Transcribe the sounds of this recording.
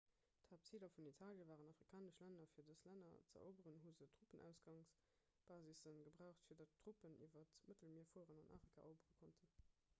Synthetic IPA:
thaːp̚t͡siːlɐfunitʰaːljəvaːʁənɑfʁikʰaːnəʃlænɐfiːɐdəslænɐ̰t͡sə̰ʔo̰bəʁənɦuzətʰʁ̥upənʔæ̰ʊsɡɑŋs | b̥aːzisənɡəbʁæʊχtfiːɐdɐtʰʁ̥upənʔḭvɐtmətəl̩miːɐfuəʁənɑnʔa̰ːfʁikʰa̰ʔoʊbəʁəkʰontʰən

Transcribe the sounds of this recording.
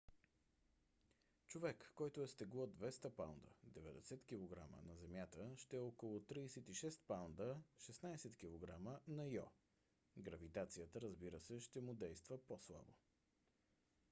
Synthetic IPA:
t͡ʃovɛkːɔjt̪oɛst̪ɛɡlˠɔd̪vɛst̪əpawnd̪ə̰d̪ɛvɛd̪ɛsɛt̪k̟ʲilˠoɡɾa̰mə̰nɐzɛmʲjat̪əʃt̪ɛɔkolˠʊt̪ɾiːsɛt̪iʃɛst̪̚pawnd̪əʃɛsnajsɛt̪kʲilˠoɡɾamənɐjɔ | ɡɾəvit̪at̪sijət̪əɾəzbiɾəsɛʃt̪ɛmʊd̪ɛjst̪vəposlˠa̰bo

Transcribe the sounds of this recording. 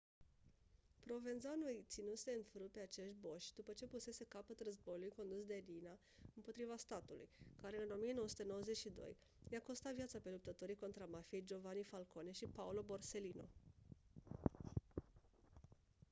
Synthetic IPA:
pɾo̞ve̞nzanujt̪sinuse̞ɨnfɾupe̞at͡ʃe̞ʃt̪̚ʲbo̞ʃʲd̪upət͡ʃe̞puse̞se̞kapət̪rəzbo̞julujko̞nd̪usd̪e̞lina | ɨmpo̞t̪ɾivast̪at̪ulṵjkaɾe̞ɨno̞mijenowəsu̥t̪e̞no̞wəze̞t͡ʃʃid̪o̰j | jako̞st̪avijat̪sape̞lup̚t̪ət̪o̞ɾiko̞nt̪ɾamafijejd͡ʒo̞vanifalkone̞ʃipaulo̞bo̞rse̞lino̞̰

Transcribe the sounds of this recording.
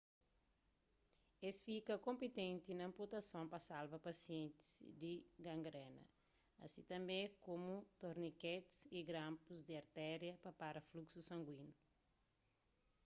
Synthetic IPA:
esfikɐkõmpit̪ẽnt̪inɐɐ̃mput̪ɐsõpɐsalvɐpɐsiɛ̃nt̪i̥sd̪iɡɐ̃ŋɡɾɛnɐ̰ | ɐ̰sĩt̪ɐ̃mbẽkomut̪oɾnikɛt̪i̥siɡɾãmpuzd̪iɐɾt̪ɛɾjɐpɐpaɾɐfluksusɐ̃ŋɡwĩnu

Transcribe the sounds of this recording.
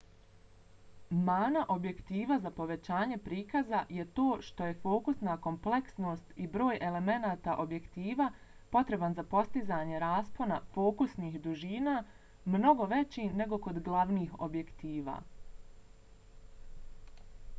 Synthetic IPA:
maːnaʔo̞bje̞kt̪iːʋazapo̞ʋe̞t͡ɕaːɲe̞pɾiːkazaje̞t̪o̞ːʃt̪o̞je̞fo̞ːkusnako̞mple̞ksno̞ːst̪ibɾo̞ːje̞le̞me̞naːt̪aʔo̞bje̞kt̪iːʋa | po̞t̪ɾe̞banzapo̞st̪izaːɲe̞ɾaːspo̞nafo̞ːkusniːxd̪uʒiːnaː | mno̞ɡo̞ʋe̞t͡ɕine̞ɡo̞ko̞d̪ɡlˠaʋniːxo̞̰bje̞kt̪iːʋa̰ː

